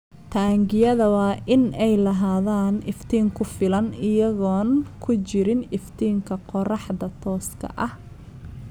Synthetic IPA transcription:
t̪ʰaːŋɡɪjɐðɐwɑːʔɪnɛjlɐɦaːðaːnɪft̪ʰiːŋkʰʊfɪlɐnɪjɐɣɔːnkʰʊt͡ʃɪɾɪnɪft̪ʰiːŋkʰɐqɔrɑħðɐt̪ʰɔːskʰɐ̰ʔɐh

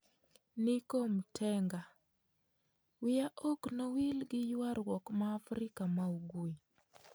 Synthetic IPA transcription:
nikomtʰɛŋɡa | wɪjaʔoknowilɡɪjwaɾwɔkmaːfɾɪkamauɡoi

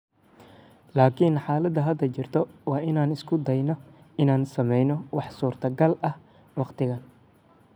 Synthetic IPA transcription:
laːkʰinħaːlɐd̪ɐɦɐd̪ɐt͡ʃɪrt̪ʰɔwɑːʔɪnaːnɪskʰʊd̪ɐjnɔ | ɪnaːnsɐmɛjnɔwɑħsuːrt̪ʰɐɡɐlɐh | wɑqt̪ʰɪɣɐn

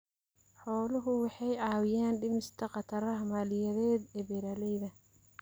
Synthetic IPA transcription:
ħɔːlʊɦʊwɑħɑjʕɑːwɪjaːnɖɪmɪst̪ʰɐqɑt̪ʰɐɾɐmaːlɪjɐðɛːd̪ɛbɛɾɐːlɛjðɐ

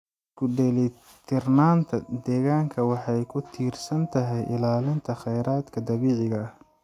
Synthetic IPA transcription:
kʰʊɖɛlɛ | t̪ʰɪrnaːnt̪ʰɐd̪ɛːɣaːŋkʰɐwɑħɑjkʰʊt̪ʰiːrsɐnt̪ʰɐɦɛjʔɪlaːlɪnt̪ʰɐχɛjɾaːd̪kʰɐd̪ɐβiːʕɪɣɐ

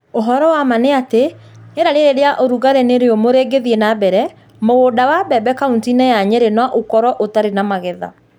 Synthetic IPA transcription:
oɦɔɾɔwamaneate | eɾaɾeɾeɾeaʔoɾuɣaɾeneɾeomoɾeɡeðienabɛɾɛ | moɣodawabɛbɛkauntinɛjaɲɛɾenwaʔokɔɾɔʔotaɾenamaɣɛða̰

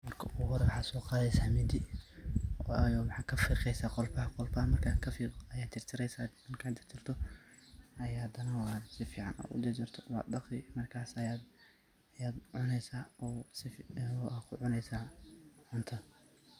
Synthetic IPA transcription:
mɐrkʰɐʔuɣʊhɔɾɛwħɑsɔːqɑːðɛjsaːmɪd̪ɪ | ɔjɔwħɑːkʰɐfiːqɛjsaːqɔlbɐhqɔlbɐhmɐrkʰakʰɐfiːɐjaːt͡ʃ̪ʰɪrt̪ʰɪɾɛjsad̪ɪnkʰat̪ɪrt̪ʰɪrt̪ʰɔ | ɐjahɐd̪ɐnɐwɑsɪfiːʕɑ̰nɐ̰ːʊ̰d̪ɪt͡ʃɪrt̪ʰɔwɑ̰ːd̪ɑqɪmɐrkʰaːsɐjaːd̪ | jaːd̪ʕʊnɛjsaːɔsɪfakʰʊʕʊnɛjsaːʕʊnt̪ʰɐ

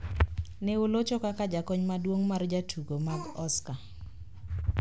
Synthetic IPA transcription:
neʊlot͡ʃɔkakad͡ʒakɔɲmadwoŋmard͡ʒatʰuɡomaɡɔska

